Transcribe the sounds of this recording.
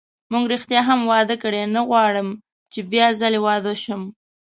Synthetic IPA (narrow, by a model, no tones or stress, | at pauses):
muŋɡɾixt̪jɑɦamwɑd̪əkɽenəɣwɑɽəm | t͡ʃebjɑzalewɑd̪əʃəm